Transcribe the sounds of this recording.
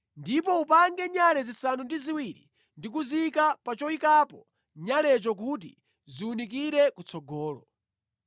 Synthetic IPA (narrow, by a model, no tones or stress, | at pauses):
ndipɔupaŋɡɛɲalɛzisanundiziwiɾḭ | ndik̬uzikapat͡ʃɔikapɔ | ɲalɛt͡ʃɔk̬ut̬ḭ | ziunik̬iɾɛkut͡sʰɔɡɔːlɔ